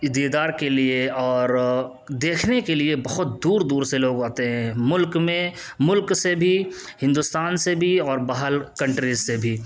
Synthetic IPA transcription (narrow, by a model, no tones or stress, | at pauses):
ɪd̪id̪aːɾkelieɔːɾ | d̪eːkʰnekeliebɐɦʊt̪̚d̪uːɾd̪uːɾseloːɡaːt̪eɦɛ̃mʊlkmẽ | mʊlksebʱihɪ̃nd̪ʊst̪aːnsebʱiɔːɾbaɦəlkɐ̃ɳʈɾizsebʱiː